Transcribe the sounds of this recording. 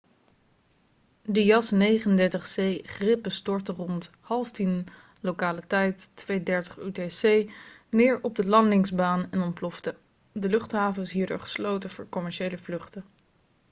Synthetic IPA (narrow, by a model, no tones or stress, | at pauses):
dijɑsnejχənəndɛɹtəχsejχrɪpəstɔɹtərɔnt | hɑlˠftin | lowkaːlətɛjtːʋejdɛɹtə̥χytesejnɪːɹɔb̚dəlɑndɪŋzbaːnɛnɔmplɔftə | dəlɵχtɦaːvənsɦiːɹdo̰ːɹχə̥slowtəvʊːɹkɔmɛɹʃejləvlɵχtə